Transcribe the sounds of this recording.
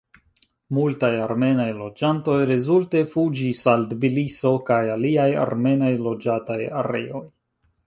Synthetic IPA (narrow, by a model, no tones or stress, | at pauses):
multajaɾme̞najlo̞d͡ʒanto̞jɾe̞zulte̞fud͡ʒisaldbiliso̞kajaliaja̰ɾme̞najlo̞d͡ʒataja̰ɾe̞̰o̞j